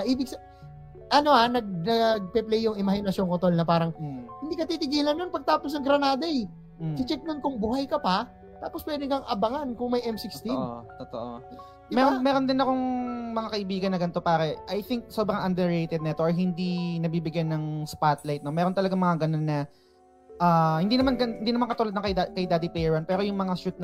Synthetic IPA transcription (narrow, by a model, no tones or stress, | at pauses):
ɐʔiːbɪɡ̚sɐ | ʔɐno̞anɐɡ̚nɐɡ̚pɛplɛjːʊŋɪmɐhɪnɐsjoŋkot̪olnɐpaːɾɐŋhɪnd̪iːkɐt̪iːt̪ɪɡiːlɐnːonpɐɡ̚t̪aːpos̬nɐŋɡɾɐnaːd̪ɐɛ | sɪt͡ʃɛk̚nonkʊŋbuːhɐjkɐpɐ | t̪aːpo̞spwɛːd̪ɪŋkɐŋʔɐbɐŋankʊŋmɐjʔɛmsɪkt̪iʔot̪ot̪o̰ʔo | mɛːɾonmɛːɾo̞nd̪ɪnɐko̞ŋmɐŋakɐʔɪbiːɡɐnːɐɡɐnt̪o̞paːɾɛʔajθɪŋk̚sobɾɐŋʔɐnd̪ɛɹejt̪ɛd̪̚nɛt̪oʔɐjɦɪnd̪inɐbiːbɪɡjanɐŋspat̪lajt̪̚no̞mɛːɾont̪ɐlɐɡaŋmɐŋaɡɐno̞nːɐ | ʔaːhɪnd̪iːnɐmanɡɐhɪnd̪inɐmankɐt̪uːlɐd̪nɐŋk̪akɐjd̪aːd̪ɪpɛjɛɹɐnpɛːɾo̞jʊŋmɐŋasut̪̚